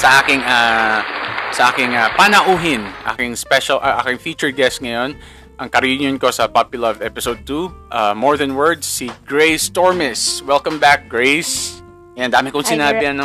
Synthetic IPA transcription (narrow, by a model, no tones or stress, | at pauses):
sɐʔaːkɪŋa | sɐʔaːkɪŋapanɐʔuːɦɪnʔa̰ːkɪŋspɛʃɐlʔaʔa̰ːkɪŋfiːt͡ʃɛɹɡɛst̪̚ŋɐjon | ʔɐŋkɐɾuɲjonkosɐpapjʊlɐvɛpɪsowd̪̚t̪uʔamɔɹðɛnwɛɹd̪sːiɡ̥ɹejst̪ɔɹmɛswɛlkɐmbak̚ɡɹejs | ɐnd̪aːmɪkʊŋsɪnaːbɪɐn